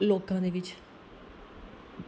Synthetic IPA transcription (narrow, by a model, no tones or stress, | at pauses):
loːkãːd̪eːʋɪt͡ʃ